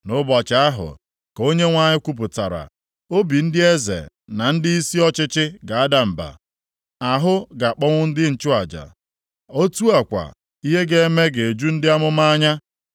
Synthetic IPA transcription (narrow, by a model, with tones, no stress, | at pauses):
nʊ˦bɔ˨t͡ʃa˨a˦ɦʊ̰˨ | ko˦ɲe˦ŋʷa˦ɲɪ˦kʷu˦p̬ʊ˨ta˨ɾa̰˨ | o˦bi˨n̩˦dɪ˦e˦zḛ˨ | na˨n̩˦dɪ˦i˦si˦ɔ˦t͡ʃɪ˦t͡ʃɪ˦ɡa˨a˦da˦m̩˨ba̰˨ | a˨ɦʊ˦ɡa˨k͡pɔ˦ŋʷʊ˦n̩˦dɪ˦n̩˨t͡ʃʊ˦a˨d͡ʒa̰˨ | o˦tu˦a˨kʷa̰˨ | i˦ɦe˦ɡe˦e˦me˦ɡe˨e˨d͡ʒu˦n̩˦dɪ˦a˦mʊ˦ma˦ɲa˦